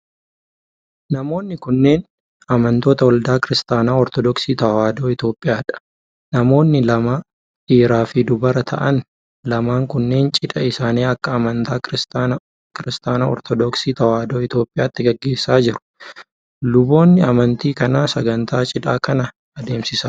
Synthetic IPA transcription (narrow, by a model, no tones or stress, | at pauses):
nɐmo̞ːnːɪkʊnːe̞ːn | ɐmɐnt̪o̞ːt̪ɐwɐld̪aːkɪɾɪst̪aːnaːɔɾt̪ɔd̪ɔksiːt̪ɐwaːd̪o̞ːɪt̪jo̞ːpʼːɪjaːᶑɐ̥ | nɐmo̞ːnːɪlɐmɐ | ʔiːɾaːfɪd̪ʊbɐɾɐt̪ʰɐ̰ʔɐn | lɐmaːŋkʊnːe̞ːnt͡ʃʼɪᶑɐɪsaːneːɐkːɐːmɐnt̪aːɾɪst̪a | kɪɾɪst̪aːnaːɔ̰ɾt̪ɔd̪ɔksiːt̪ɐwaːd̪o̞ːɪt̪jo̞ːpʼɪjaːt̪ːɪɡɐɡːe̞ːsːaːd͡ʒɪɾʊ̥ | lʊbo̞ːnːɪɐmɐnt̪iːkɐnaːsɐɡɐnt̪ʰaːt͡ʃʼɪᶑaːkɐnɐ | ɐd̪e̞ːmsɪsɐ